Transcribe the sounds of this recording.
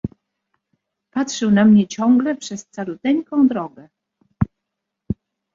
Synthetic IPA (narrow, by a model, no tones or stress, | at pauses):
patʂɘwnamɲɛt͡ɕɔ̃ŋɡlɛpʂɛst̪salut̪ɛɲkɔ̃w̃d̪ɾɔɡɛ